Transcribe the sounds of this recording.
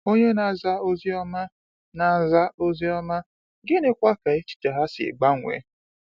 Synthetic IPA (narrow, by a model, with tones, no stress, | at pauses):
o˦ɲe˦na˨za˦o˦zi˦ɔ˦ma˦ | na˨˦za˦o˦zi˦ɔ˦ma˦ | ɡɪ˦ne˦kʷa˦ka˨e˦t͡ʃi̥˦ta˨ɦa˦sɪ̰˨ɡ͡ba˦˨ŋʷḛ˨